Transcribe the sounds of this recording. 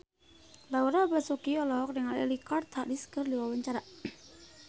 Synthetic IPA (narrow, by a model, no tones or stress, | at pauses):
lawuɾabasokiɔlɔk̚dəŋaɾɛ̰likɔrt̪ʰaʔdiskərliwawaɲt͡ʃaɾa